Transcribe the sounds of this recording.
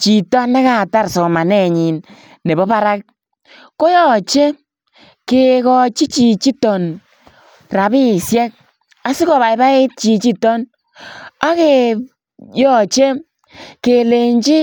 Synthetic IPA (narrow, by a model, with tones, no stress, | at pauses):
t͡ʃi˨tɔ˦na˦ka˨ta˦ɾsɔ˨ma˨nɛ˦˨ɲi˨nː | e˨bɔ˦pa˦ɾa˦k̚ | ko˦jɔ˦˨t͡ʃe˦ | ke˨kɔ˧t͡ʃi˦t͡ʃi˨t͡ʃi˦tɔ˨n | ra˨bi˦˨sjɛ˦k̚ | a˨˦si˦kɔ˨βa˨i˦ba˦ɪ˦t̚t͡ʃi˧t͡ʃi˦tɔ˦n | a˦ke˨ | jɔ˨t͡ʃe˦ | ke˨le˨ɲt͡ʃi˦